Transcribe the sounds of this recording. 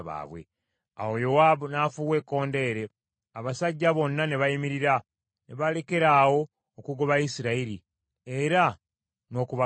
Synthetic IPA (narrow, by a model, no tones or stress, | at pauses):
βa̰ːβwe̞̰ | a̰wo̞jo̞waːbunaːfuːwe̞kːo̞ːnde̞ːɾe̞ | aβasaɟːaβo̞nːane̞βajimiɾiɾa | neβale̞ke̞ɾaːwo̞ː | kuɡoβaisiɾaiɾi | eɾa | no̞ːkuβa